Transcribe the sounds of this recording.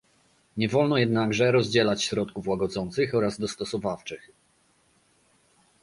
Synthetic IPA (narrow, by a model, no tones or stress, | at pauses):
ɲɛvɔlnɔjɛd̪naɡʐɛɾɔzʲd͡ʑɛlat͡ɕɕɾɔt̪kufwaɡɔd̪zɔnt̪sɘxɔɾazd̪ɔst̪ɔsɔvaft͡ʂɘx